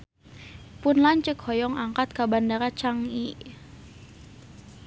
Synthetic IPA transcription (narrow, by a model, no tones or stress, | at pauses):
pʊnlaɲt͡ʃəkhɔjɔŋaŋkat̪̚kabandaɾat͡ʃaŋi